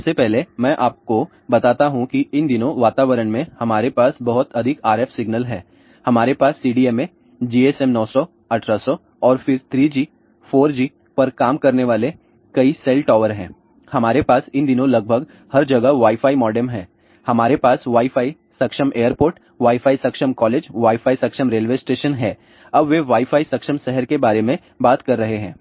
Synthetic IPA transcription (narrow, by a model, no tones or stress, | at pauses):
ɐbsepɛɦlemɛ̃ːʔaːp̚ko | bɐt̪aːt̪aɦũkiɪnd̪ɪnõʋaːt̪aːʋəɾəɳmẽhɐmaːɾepaːsbɐɦʊt̪ɐd̪ʱɪkaːɾɛːfsɪɡnəlɦɛ̃ː | hɐmaːɾepaːsːiːɖiːɛmẽ | d͡ʒiːesɛmnɔːsɔ | ɐʈʰɾasɔ | ɔːɾfɪɾt̪ʰɾiːd͡ʒiː | foːɾd͡ʒiː | pɐɾkaːmkɐɾneʋaːle | kɐisɛːlʈɔːʋəɾɦɛ̰̃ː | hɐmaːɾepaːsɪ̃nd̪ɪnõlɐɡ̚bʱəɡ | hɐɾd͡ʒɐɡəʋaːifaːimɔːɖemɦɛ̃ː | hɐmaːɾepaːsʋaːifaːi | sɐkʃəmeːəɾpoːɾʈ | ʋaːifaːisɐkʃəmkɔːleːd͡ʒʋaːifaːisɐkʃəmɾeːlʋeːsʈeːʃənɦɛː | ɐbʋeʋaːifʰaːisɐkʃəmsɛɦəɾkebaːɾemẽ | baːt̪kɐɾːɐɦeɦɛ̰̃ː